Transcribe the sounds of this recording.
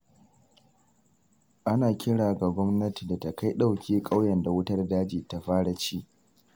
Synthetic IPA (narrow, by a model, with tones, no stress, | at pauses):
ʔa˦naː˨kʲɪ˦ɽaː˨ɡa˨ɡʷɔ˦mnɐ˦ti˨da˨ta˨ka˦jɗa˦˨wkʲeː˦kʼa˦wjɛ˨nda˨wʊ˦tɐ˦rdaː˦d͡ʒiː˨ta˦ɸaː˦ɽa˨t͡ʃiː˦ʔ